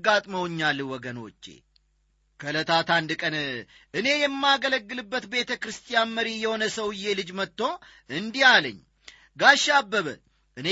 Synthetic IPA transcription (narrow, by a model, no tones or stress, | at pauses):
ɡat̪ʼməwɲːalːwɔɡəno̞̰t͡ʃːe̞̰ | kʰələt̪ʰat̪and̪ɨkʼənʔɨne̞jɛmːaɡələɡːɨlɨbːət̪be̞t̪ʰəkɨɾɨst̪ʰʼijanməɾijɛho̞nəsəwɨjːelɨd͡ʒmət̪ːo̞ | ɨnd̪ihalə̰ɲː | ɡaʃːabːəβə | ʔɨne